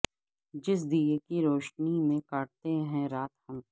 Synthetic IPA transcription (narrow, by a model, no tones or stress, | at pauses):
d͡ʒɪs̬d̪ijekiɾoːʃnimẽkaːʈ̚t̪eɦɛ̃ɾaːt̪hɐm